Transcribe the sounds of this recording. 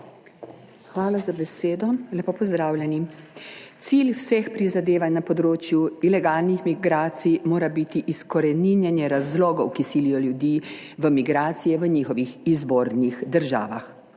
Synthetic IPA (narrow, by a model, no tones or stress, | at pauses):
xʋaːlazabɛseːd̪ɔlɛpopɔzd̪ɾaːwlʲjɛni | t̪silwsexpɾizad̪eːʋannapɔd̪ɾoːt͡ʃjuilɛɡaːlnixmiɡɾaːt̪sijmoːɾabit̪iʔiskɔɾɛninjɛnjɛɾazlɔːɡɔwkisilijɔljud̪iːʋəmiɡɾaːt̪sijɛʋəɲiːxɔʋixizʋoːɾnixd̪əɾʒa̰ːʋa̰x